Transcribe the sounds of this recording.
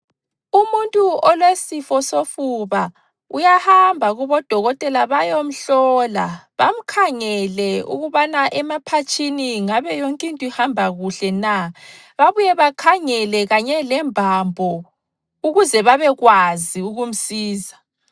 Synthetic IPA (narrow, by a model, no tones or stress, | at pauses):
umuntʼuɔlwesifɔsofuβa | ujahambʱaɣuβɔd̥ʱɔɣɔtʼɛlaβajom̩ɬɔlaβam̩kʰaŋɛlɛṵɣuβanaʔɛmapʰat͡ʃʰʼiniŋaβɛjoŋkʼintʼɔihambʱaɣuɬɛna | βaβujɛβakʰaŋɛlɛɣaɲɛlɛmbʱambʱɔ | uɣuzɛβaβɛɣwaziuɣum̩siːza